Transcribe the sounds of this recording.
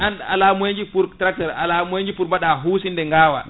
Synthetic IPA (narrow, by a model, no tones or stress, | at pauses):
ʔana̰laːmujeɲd͡ʒipuɾtɾak̚tɛɾa̰lamueɲd͡ʒipuɾmaɗaɦuːsindɛŋɡaːwa̰